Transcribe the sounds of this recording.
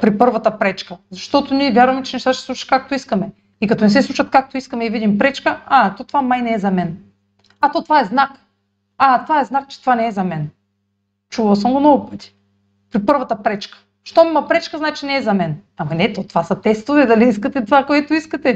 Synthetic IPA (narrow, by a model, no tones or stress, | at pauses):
pɾipəɾvɐt̪ɐpɾɛt͡ʃkɐzɐʃt̪ɔt̪oniɛvʲjaɾvɐmɛt͡ʃɛnɛʃt̪aʃɛ̥sˠut͡ʃɐ̥kak̚t̪oiskɐmɛ | ikɐt̪onɛsɛsˠut͡ʃɐt̪̚kak̚t̪oiskɐmɛivid̪impɾɛt͡ʃkəat̪ɔt̪ovamajnɛːzɐmɛn | at̪ɔt̪vaɛznak | at̪ovaɛznak̚t͡ʃɛ̥t̪ovanɛːzɐmɛn | t͡ʃuvɐlˠsəmɡomnɔɡʊpət̪ʲi̥ | pɾipɤɾvɐt̪ɐpɾɛt͡ʃkə̥ | ʃt̪omimɐpɾɛt͡ʃkəznaɛt͡ʃɛnɛːzɐmɛn | amɐnɛt̪ot̪ovasɐt̪ɛst̪ovɛd̪ɐliiskɐt̪ɛt̪vakoɛt̪oiskɐt̪ɛ